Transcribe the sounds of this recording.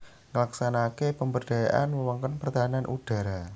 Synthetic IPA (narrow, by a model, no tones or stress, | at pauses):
ŋəlaksanakepəmbərɖ̥a̤jaʔanməwɔŋkɔnpərt̪aɦananʔṵd̥a̤ɾa